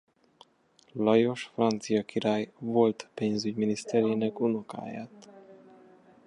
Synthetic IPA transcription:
lɒjo̞ʃfrɒnt̪sijɒkiɾaːjvo̞lt̪peːnzyɟminist̪ɛɾeːnɛkunoka̰ːja̰ːt̪

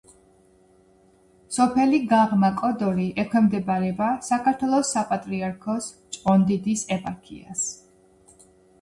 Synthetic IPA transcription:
sɔpʰɛliɡaʁmakʼɔd̪ɔɾiʔɛkʰwɛmd̪ɛbaɾɛbasakaɾt̪ʰwɛlˠɔsːapʼat̪ʼɾiaɾkʰɔs | t͡ʃʼɔnd̪id̪isɛpʼaɾkʰḭa̰s

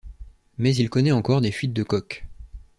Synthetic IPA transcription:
mɛzilkɔnɛɑ̃kɔʁd̪efɥit̪̚d̪əkɔk

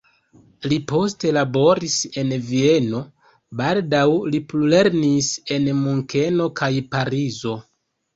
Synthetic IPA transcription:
lipo̞ste̞labo̞ɾise̞nvie̞no̞ | baldawliplule̞ɾnise̞nmuŋke̞no̞kʰajpaɾizo̞

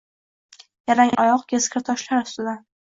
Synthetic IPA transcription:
jaɾaŋʔɒjɒqkʲʰeskʲʰɪɾt̪ʰɒʃlaɾʊ̥st̪ɪd̪a

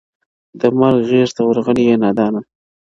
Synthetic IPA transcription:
d̪əmaɾɡɣezt̪awəɾɣəɽijenɑːd̪ɑːna

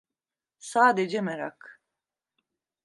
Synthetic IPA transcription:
saːd̪ed͡ʒɛmɛɾa̰k

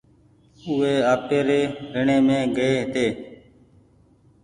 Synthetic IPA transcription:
ʊeːaːpeːɾeːɾəɳeːmẽːɡəeːɦt̪eː

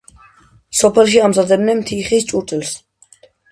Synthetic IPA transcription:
sɔpʰɛlʃ̬iamzad̪ɛbnɛnmt̪ʰiχist͡ʃʼuɾt̪ʰʼɛlˠs

